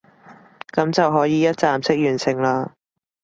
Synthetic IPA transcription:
kɐ˨˥mt͡sɐ˨wɦɔː˨˥jiː˨˧jɐ˥t̚t͡saː˨msɪ˥k̚jyː˨˩nsʰɪ˨˩ŋlaː˧

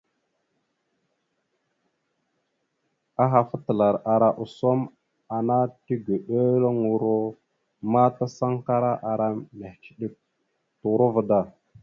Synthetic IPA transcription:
a˦ɦa˨fə˦tə˨la˨ɾa˨ɾa˨ʔu˨so˦m | a˨na˦ti˦ɡə˨ɗo˦lo˦ŋu˨ɾo˦ | ma˦ta˦sa˦ŋka˦ɾa˦ʔa˨ɾa˦me˨hki̥˨ɗi˦k̚ | tu˨ɾu˦və˨da˦˨

